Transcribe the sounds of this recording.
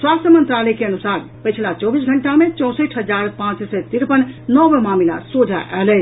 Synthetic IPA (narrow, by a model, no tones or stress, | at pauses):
swast̪ʰjəmənt̪ɾalɛkeənusaɾpəjt͡ʃʰlat͡ʃɔbis̬ɡʱəɳʈamet͡ʃɔ̃w̃səʈʰɦəd͡ʒaɾpãt͡ʃsɛt̪iɾpənnɔbemamila̰sod͡ʒʱa̰ʔɛlɛt͡ʃʰ